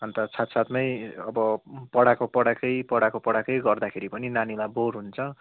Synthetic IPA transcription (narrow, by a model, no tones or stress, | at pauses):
ɦʌnt̪ʌsat̪sat̪mʌjʌbʌpʌɽakopʌɽakʌjpʌɽakopʌɽakʌjɡʌrd̪akʰeɾipʌninanilaborɦunt͡sʰʌ